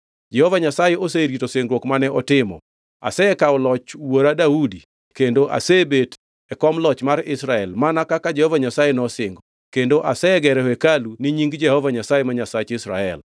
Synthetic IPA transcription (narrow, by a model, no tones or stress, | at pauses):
d͡ʒɛhɔvaɲasajeʔoseɾitoseŋɡɾwɔkmanɛɔtɪmɔ̰ | a̰sɛɛkaɔlɔt͡ʃwoɾadaudi | kendoʔa̰sebet | ɛkɔmlɔt͡ʃmaɾɪsɾaɛlmanakakad͡ʒɛhɔvaɲasajenɔsɪŋɡo | kendoʔasɛɡɛɾɛwɛkaluniɲiŋɡd͡ʒɛhɔvaɲasajemaɲasat͡ʃɪsɾa̰ɛ̰l